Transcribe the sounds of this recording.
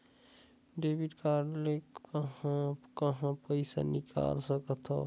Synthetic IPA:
ɖeːbiʈkaːɾɖlekəɦãkɐɦãpəɪsa̰nɪka̰ːlsəkət̪ʰa̰

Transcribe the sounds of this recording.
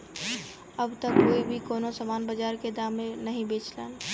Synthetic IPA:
əbt̪əkːoːibʱikonosəmanbəd͡ʒaɾked̪amːenəɦĩbet͡ʃlan

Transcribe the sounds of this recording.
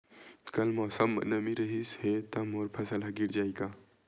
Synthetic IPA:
kɐlmosəmə̰nəmiɾəɦishet̪ɐmoːɾpʰɐsəlɦɐɡiɾd͡ʒaːjɡa

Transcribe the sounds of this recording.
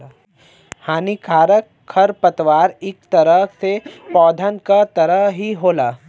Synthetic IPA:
haːnikʰaːɾək | kʰːɐɾpət̪ʋaːɾɪkt̪ɐɾəsepɔːd̪ʱənkat̪ɐɾəɦiɦoːlaː

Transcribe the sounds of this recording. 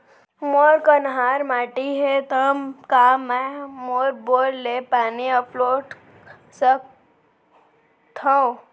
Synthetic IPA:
moːɾkənɦaːɾmaːʈiɦet̪ɐmkaːmɛ̃moːɾboːllepaːniəploːɖ | sək̚ | t̪ʰãõ

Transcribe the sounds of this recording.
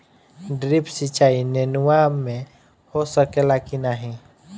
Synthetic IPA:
ɖɾipsit͡ʃaːinenʊwamːẽ | hosəkelakinaɦĩ

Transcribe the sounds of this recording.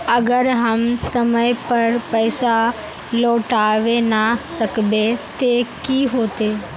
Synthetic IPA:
ɐɡəɾɦɐmsɐməjpɐɾpəɪsa | loːʈaːʋenasɐkbet̪ekiɦoːt̪eː

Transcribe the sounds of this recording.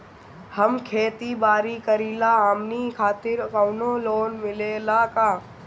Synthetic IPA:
həmkʰeːt̪ibaːɾikəɾiːlaaːmnikʰaːt̪ɪɾkawnoːloːnmɪlelaːkaː

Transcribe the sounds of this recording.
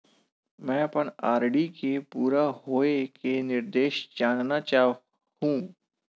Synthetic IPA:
mɛ̃ːɐpəɳaːɾɖikepuːɾaɦoːekenɪɾd̪eːʃd͡ʒaːnnat͡ʃaː | hũː

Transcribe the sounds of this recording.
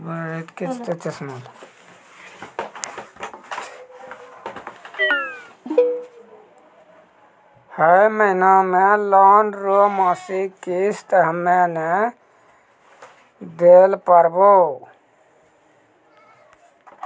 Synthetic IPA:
bəɾit̪kit͡ʃʰt̪ət͡ʃɪsmal | həməɦɪnamẽlɔːnɾomaːsikist̪ɦəmːene | d̪eːlpəɾbo

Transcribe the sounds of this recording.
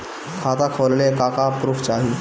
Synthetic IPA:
kʰat̪akʰollekakapɾuːft͡ɕaɦi

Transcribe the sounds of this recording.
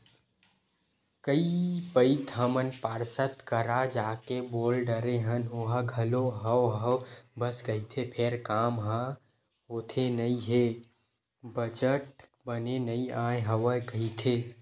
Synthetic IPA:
kəipəɪt̪ɦəmənpaːɾsət̪kəɾad͡ʒaːkeboːlɖəɾeɦənoɦə̃ɡʱɐloɦəwɦəwbəsɡəɦit̪ʰepʰeɾkaːmɦã | ɦot̪ʰenəĩɦe | bəd͡ʒəʈ̚ | bənenəĩãːẽɦəwəɡəɦit̪ʰe

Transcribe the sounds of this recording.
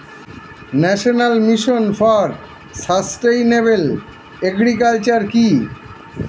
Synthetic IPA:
nɛʃonalmiʃonfɔɾ | sasʈejnebel | eɡɾikalt͡ɕaɾki

